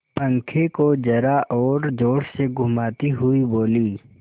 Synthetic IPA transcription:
pə̃ŋkʰekod͡ʒɐɾaʔɔːɾd͡ʒoːɽseɡʱʊmaːt̪iɦʊiboːliː

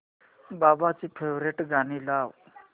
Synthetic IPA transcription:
babat͡sipʰewɾeʈɡanilaw

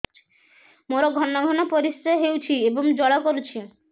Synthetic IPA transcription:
moɾoɡʱɔnːoɡʱɔnopoɾisɾeɦewt͡ɕʰieboŋd͡ʑɔɭakoɾut͡ɕʰi

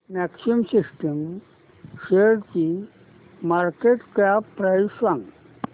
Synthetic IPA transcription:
mɛksiəmsisʈəm | ɕeɾki | maɾkeʈkapːɾajsʋãŋɡ

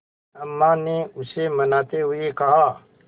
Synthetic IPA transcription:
ɐmːaneʊsemɐnaːt̪eɦʊekɐɦaː

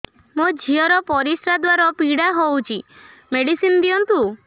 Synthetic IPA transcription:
mod͡ʒʱiɔɾɔpɔɾisɾad̪waɾɔpiɽaɦowt͡ʃʰi | meɽisind̪iɔnt̪u

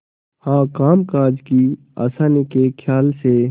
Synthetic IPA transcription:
hãːkaːmkaːd͡ʒki | a̰ːsaːnikekʰjaːlse

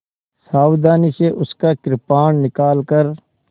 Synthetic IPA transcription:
saːwd̪aːniseʔʊskakɾɪpaːɳ̃nɪkaːlkəɾ

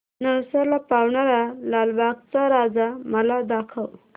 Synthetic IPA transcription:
nəwsalapawɳaɾalalbaɡt͡saɾad͡zaməlad̪akʰəw

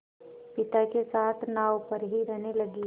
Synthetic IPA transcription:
pɪt̪akesaːt̪ʰnaːopɐɾɦiɾɛɦnelɐɡi

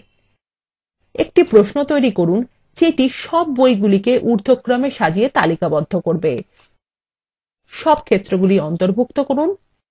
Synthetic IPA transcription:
ḛk̚ʈipɾoʃnot̪ojɾikoɾun | d͡ʑeʈiʃɔb̚ːojɡulikeʔuɾd̪ʱokːɾameʃad͡ʑiet̪alikabɔd̪ʱːokoɾbe | ʃɔb̚kʰet̪ːɾoɡuliɔnt̪oɾbʱuk̚t̪okoɾun

